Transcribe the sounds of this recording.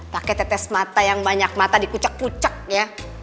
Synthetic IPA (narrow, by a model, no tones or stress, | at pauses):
t̪akɛt̪ɛt̪ɛsmat̪ajaŋbaɲak̚mat̪adikut͡ʃakːut͡ʃak̚ja